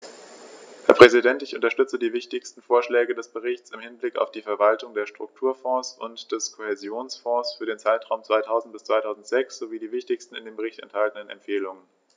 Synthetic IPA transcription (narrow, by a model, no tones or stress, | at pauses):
hɛːɐpʁ̥ɛzidɛntɪçʔʊ̰ntɐʃtʏt͡sədiːvɪçtɪçstn̩foːɐʃlɛːɡədɛsb̥əʁɪçt͡sɪmhɪnblɪka̰ʊfd̥iːfɛɐvaltʊŋdeːɐʃtʁ̥ʊk̚tʰuːɐfɔ̃ːsʊ̰ntd̥ɛskʰohezjoːnsfɔ̃ːsfyːɐɾeːnt͡saɪtʁ̥aʊmt͡svaɪtʰaʊzn̩t̚b̥ɪst͡sv̥aɪtʰaʊzn̩tz̥ɛksz̥oviːdiːvɪçtɪçstn̩ɪ̰ndeːmbəʁ̞ɪçtɛ̰nthaltən̩ənɛ̰mfeːlʊŋən